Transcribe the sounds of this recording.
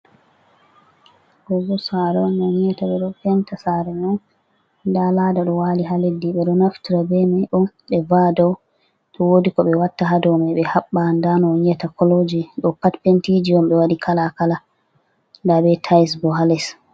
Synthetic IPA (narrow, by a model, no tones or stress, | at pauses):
kɔɡɔsaɾɛɔnɔɲɛtaɓɛɗɔpɛntasaɾɛnɔn | ndaladaɗɔwaliɦaledːiɓɛɗɔnaftiɾabɛmɛʔɔn | ɓɛvadɔw | tɔwodikɔɓɛwatːaɦadɔmɛɓɛhaɓːandanɔɲɛtakɔlod͡ʒiɗɔpatpentid͡ʒiɔmɓɛwadikʰalakala | ndabɛtʰajsbɔɦalɛs